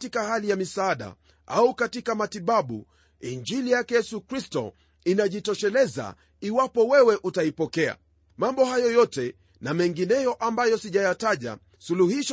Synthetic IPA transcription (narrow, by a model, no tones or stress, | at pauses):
tikahalijamisaːɗa̰ | aukatikamatiɓaɓṵ | ind͡ʒilijakɛjɛsukɾistɔ̰ | inaʄitɔʃɛlɛza̰ | iwapɔwɛwɛʔutaipɔkɛa̰ | mambɔhajɔjɔtɛ | namɛŋɡinɛjɔʔambajɔsiʄajataʄa̰ | suluhiʃ